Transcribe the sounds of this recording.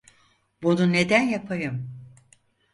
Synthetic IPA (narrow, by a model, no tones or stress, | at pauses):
bunune̞d̪ænjapʰajɯm